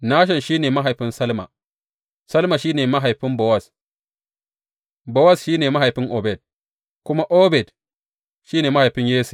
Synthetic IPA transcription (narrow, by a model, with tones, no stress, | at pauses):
naː˦ʃ̬ɛ˨nʃiː˦neː˨ma˦ɦa˨jɸɪ˦nsɐ˦lma̰˨ | sɐ˦lma˨ʃiː˦neː˨ma˦ɦa˨jɸɪ˦mbo˨wa˦˨s | bo˨wa˦˨sʃiː˦neː˨ma˦ɦa˨jɸɪ˦ŋʔo˨bɛ˨d̚ | kʷʊ˦ma˦ʔoː˦bɛ˨d | ʃiː˦neː˨ma˦ha˨jɸɪ˦ɲjeː˦su̥˨